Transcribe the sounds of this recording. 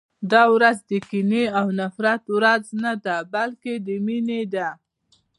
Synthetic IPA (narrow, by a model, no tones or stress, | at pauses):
d̪ɑwɾazd̪əkineawnafɾat̪wɾaznad̪abalked̪əmined̪a